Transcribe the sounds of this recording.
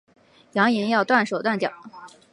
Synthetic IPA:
jɑ˧˥ŋi˧˥njɑ˥˧ʊt̪wa˥˩nʂo˨˩ʊt̪wa˥˩nt͡ɕjɑ̰˨˩˦

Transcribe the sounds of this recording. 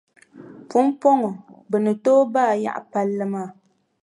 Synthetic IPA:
pʊ˦mpo˦ŋɔ˨bɨ˨nɨ˨toː˦baː˦˨ja̰˦ʔpa˦lːɨ˦maː˦˨

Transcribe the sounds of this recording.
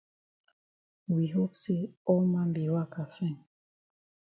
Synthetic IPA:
wi˨ɦo˦pse˦ɔ˦lmã˦mbi˨wa˦˨ka˨fɛ̃˦˨n

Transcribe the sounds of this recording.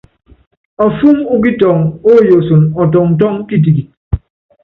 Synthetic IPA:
ɔ˨fu˦mu˦k̬i˦tɔ˨ŋo˦jo˨so˨nɔ˨t̬ɔ˨ŋn̩˨t̬ɔ˦ŋ˦ki˦t̬i˨ki˨

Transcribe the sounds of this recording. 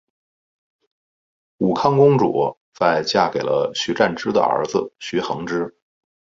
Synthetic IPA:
u˨˩kʰɑ˥ŋkʊ˥ŋʈ͡ʂwɔ̰˨˩˦ | t͡sa˥˧ɪt͡ɕja˥˩ke˨˩ɪlə˦ɕy˧˥ʈ͡ʂa˥˩nʈ͡ʂɻ̩˥d̪ə̰˨ə̰˞˧˥d͡z̩˧ɕy˧˥xɤ˧˥ŋʈ͡ʂɻ̩˥

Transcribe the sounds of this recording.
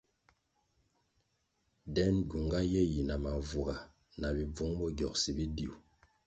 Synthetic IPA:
dɛ˦nɡu˨ŋɡa˦jɛ˦ji˨na˨ma˨vu˨ɡa˨ | na˨bi˨b͡vu˨˦ŋbɔ˦ɡɔ˨k̚si˨bi˦di˨u˨

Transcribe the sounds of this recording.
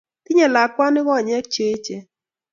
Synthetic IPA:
t̪ɪ˦ɲɛ˨la˨kwa˦nɪ˦wɔ˦˨ɲɛ˦k̚t͡ʃe˦t͡ʃe˨

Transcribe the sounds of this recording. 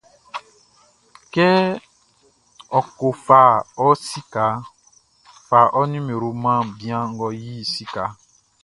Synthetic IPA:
kɛ˦ | ɔ˨ko˨fa˨ɔ˦si˦ka˨˦ | fa˨ʔɔ˦nĩ˦mẽ˨ɾo˨mã˦bĩ˦ã˦ŋ̩˦ɡɔ˨ji˦si˦ka˨˦

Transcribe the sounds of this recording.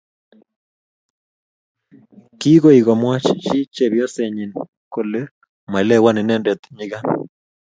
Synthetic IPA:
ki˦ɣo˦i˨ɣɔ˨mwa˦t͡ʃi˦t͡ʃi˦t͡ʃe˨βjɔ˦se˨ɲi˨n | ko˨le˦ | ma˨i˨lɛ˦˨wa˦ni˨nɛ˦ndɛ˨t̪ɲi˦ɣa˦n

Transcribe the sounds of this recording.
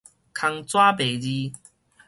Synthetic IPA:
kʰa˧ŋt͡swa˦pe˨˩d͡ʑi˧

